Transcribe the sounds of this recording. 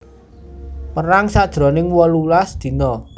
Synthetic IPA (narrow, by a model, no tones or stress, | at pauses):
məɾaŋsad̥ʒ̥ɾɔ̤nɪŋwɔlulasd̪̥i̤nɔ